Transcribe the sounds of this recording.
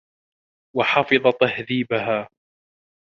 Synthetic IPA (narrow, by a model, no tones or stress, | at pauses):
wɑħɑfɨðˤɑt̪ahðiːbaɦaː